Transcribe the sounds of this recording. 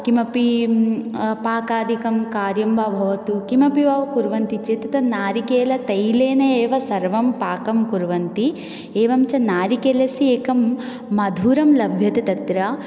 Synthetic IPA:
kimɐpi | paːkaːd̪ʱikɐmkaːɾjɐmʋaːbʱɐʋɐt̪ukimɐpiʋaːʋɐkuɾʋɐnt̪it͡ʃeːt̪ɐt̪ɐnaːɾikeːlɐt̪ɐjleːnɐeːʋɐsɐɾʋɐmpaːkɐmkuɾʋɐnt̪i | eːʋɐmt͡ʃɐnaːɾikeːlɐsieːkɐmː | ɐd̪ʱuːɾɐmlɐbʱjɐt̪ɐt̪ɐt̪ɾɐ

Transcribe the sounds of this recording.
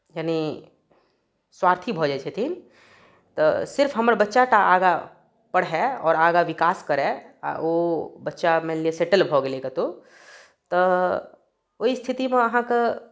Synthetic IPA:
jaːni | swaːɾt̪ʰibʱod͡ʒat͡ʃʰet̪ʰiːn | t̪ɔ̰sɪɾfɦɐmɾbɐtːʃaʈaaːɡa | pɐɽɦɛɔːɾaːɡaʋɪkaːskɐɾɛ̰obɐtːʃamẽlieseːʈəlbʱoːɡelekat̪o | t̪ɔ | oist̪ʰɪt̪imẽɐɦãke

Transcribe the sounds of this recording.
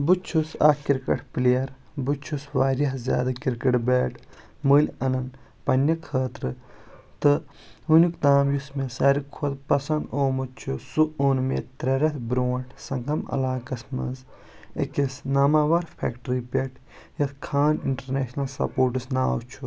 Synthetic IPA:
but͡ʃʰusa̰ːkiɾkɐ̰ʈʰpleɐɾbut͡ʃʰusʋaːɾʲjɐɦzʲja̰ːd̪akiɾkɐʈbeːʈʰmuːlʲɐnɐnpɐnjɐkʰəːt̪ɾɨt̪ɨ | unukd̪aːmjusmesɐːɾikʰod̪pɐsɐnd̪oːmɐt͡ʃʰusuoːnmḛːt̪ɾɐɾɐt̪ʰbɾoːɳʈʰsɐŋkɐmɐ̰laːkɐsmɐ̰z | əkisnaːmaːʋaːɾpʰɛ̰ːkʈɾipʲeʈʰ | jɐt̪ʰkʰaːniɳʈɐɾneːʃnɐlsɐ̰poːɾʈɨsnaːwt͡ʃʰu

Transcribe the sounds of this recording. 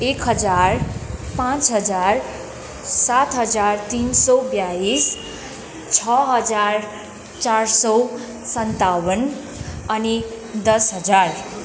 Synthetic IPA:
ekɦʌd͡zarpãt͡sɦʌd͡zar | sat̪ʰɦʌd͡zart̪insʌbjais | t͡sʰʌɦʌd͡zar | t͡sarsʌ | sʌnt̪awʌn | ʌni | d̪ʌsɦʌd͡zar

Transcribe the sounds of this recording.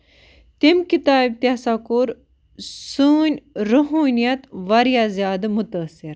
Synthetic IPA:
t̪emkit̪aːib̚t̪jasakoɾ | suːnʲɾəɦuːnjɐt̪ʋɐɾjazjaːd̪mʊt̪ɐsiɾ

